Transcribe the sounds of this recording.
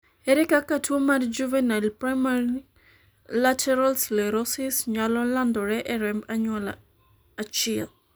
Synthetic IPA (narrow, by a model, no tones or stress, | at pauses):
ɛɾɛkakatwomard͡ʒuvenalpɾamaɾi | latʰɛɾalsleɾosɪsɲalɔlandɔɾɛʔɛɾɛmbaɲwɔla | at͡ʃɛl